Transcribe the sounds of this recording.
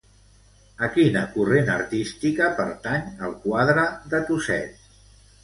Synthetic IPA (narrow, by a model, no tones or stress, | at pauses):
əkinəkurenə̰ɾt̪ist̪ikəpəɾt̪aɲəlˠkwaðɾəðət̪usɛ̰t